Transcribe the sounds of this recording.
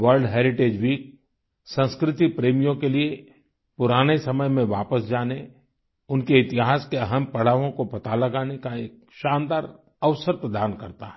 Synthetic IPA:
ʋəɾlɖɦeːɾɪʈeːd͡ʒʋiːk̚ | sə̃nskɾɪt̪ipɾeːmijõkelie | pʊɾaːnesɐməjmẽʋaːpəsd͡ʒaːne | ʊnkeɪt̪ɪɦaːskeɐɦəmpɐɽ̤aːʋõkopɐt̪alɐɡaːnekaeːk̚ | ʃaːnd̪aːɾ | ɐʋsəɾpɾəd̪aːnkɐɾt̪aɦɛ

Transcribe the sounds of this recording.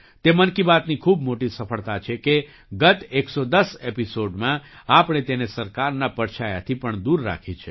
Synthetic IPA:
t̪emənkibat̪nikʰubmoʈisəfʰəɭt̪at͡ʃʰeke | ɡət̪eksod̪əsepisoɖmãapɳ̃et̪enesəɾkaɾnapəɾt͡ʃʰaja̰t̪ʰipəɳd̪uɾːa̰kʰit͡ʃʰe

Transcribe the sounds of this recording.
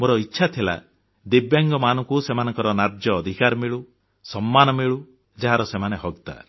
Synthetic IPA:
moɾɔitːʃʰat̪ʰila̰ | d̪ibjaŋɡɔmanɔŋkusemanɔŋkɔɾɔnaɾd͡ʒjɔːd̪ʱikaɾmiɭu | sɔmːanɔmiɭu | d͡ʒaɦaɾɔsemaneɦɔɡt̪a̰

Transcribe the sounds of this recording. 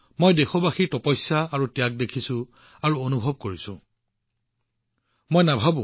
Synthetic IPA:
mojdexɔbaxiɹtɔpɔjsaaɹutijak̚dekʰisʊ̃ | aɹuonubʱɔb̚koɹisʊ̰̃ | mojnabʱabʊ̰̃

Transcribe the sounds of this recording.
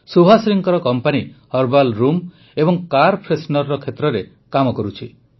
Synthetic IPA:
subʱasɾiŋkɔɾɔkɔmpanihɔɾbalɾum | ebɔŋkaɾpʰɾesnɔɾːɔkʰet̪ɾɔɾe | kamɔkɔɾut͡ʃʰi

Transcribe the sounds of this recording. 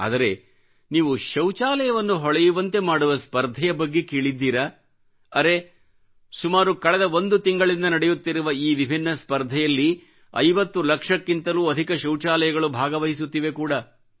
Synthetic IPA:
a̰ːd̪ɐɾe̞ | niːʋuʃɐwt͡ʃaːlɐjɐʋɐnːuɦɔɭɛjuʋɐnt̪e̞maːɽuʋɐspɐɾd̪ʱɐjɐbɐɡːe̞kiːɭid̪ːiːɾɐː | ɾe̞ | sumaːɾukɐɭɛd̪ɐo̞nd̪ut̪iŋɡɐɭind̪ɐnɐɽejut̪ːiɾuʋɐiːʋibʱinːɐspɐɾd̪ʱɐjɐlːi | ɐ̰jʋɐt̪ːulɐkʂɐkːint̪ɐluːɐd̪ʱikɐʃɐwt͡ʃaːlɐjɐɡɐɭubʱaːɡɐʋɐɦis̬ut̪ːiʋe̞kuːɽɐ

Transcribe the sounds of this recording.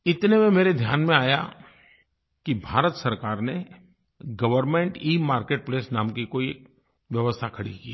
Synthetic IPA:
ɪt̪nemẽmeːɾed̪ʱjaːnmẽaːja | kibʱaːɾət̪sɐɾkaːɾne | ɡɐʋəɾmẽɳʈiːmaːɾkeːʈ̚pleːsnaːmkikoːie | ʋjɐʋəst̪ʰakʰɐɽikiː

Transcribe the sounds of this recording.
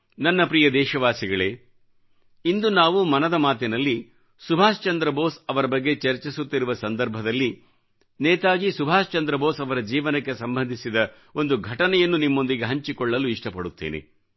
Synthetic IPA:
nɐnːɐpɾijɐd̪ɛːʃɐʋaːsiɡɐɭeː | ind̪unaːʋumɐnɐd̪ɐmaːt̪inɐlːi | subʱaːst͡ʃɐnd̪ɾɐbo̞ːsɐʋɐɾɐbɐɡːe̞t͡ʃɐɾt͡ʃisut̪ːiɾuʋɐsɐnd̪ɐɾbʱɐd̪ɐlːi | nɛːt̪aːɡisubʱaːst͡ʃɐnd̪ɾɐbo̞ːsɐʋɐɾɐd͡ʒiːʋɐnɐkːe̞sɐmbʱɐnd̪ʱisid̪ɐ | o̞nd̪uɡʱɐʈɐnɛjɐnːunimːo̞nd̪iɡeɦɐɲt͡ʃikɔɭːɐluiʂʈɐpɐɽut̪ːḛːnḛ

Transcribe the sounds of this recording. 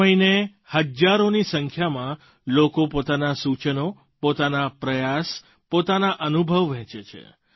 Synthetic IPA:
əine | həd͡ʒaɾonisəŋkʰjamã | lokopot̪anasut͡ʃəno | pot̪anapɾəjas | pot̪anaʔənubʱəʋʋɛ̃t͡ʃet͡ʃʰḛ

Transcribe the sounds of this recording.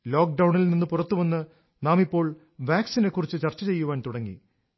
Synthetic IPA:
lo̞ːk̚ɖɐwɳilninːɨpurɐt̪ːuʋɐnːɨ | naːmipːo̞ːɭ | ʋjaːksine̞kːurit͡ɕːɨt͡ɕɐrt͡ɕːɐt͡ɕe̞jːuʋaːnt̪uɽɐŋːḭ

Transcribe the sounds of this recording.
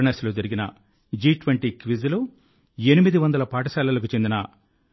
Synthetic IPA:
ɳɐslud͡ʒɐɾiɡinɐ | d͡ʒiːʈʋeɳʈikʋizlu | enimid̪iʋɐnd̪ɐlɐpaːʈɐsaːlɐlɐk̬ut͡ʃe̞nd̪inɐ

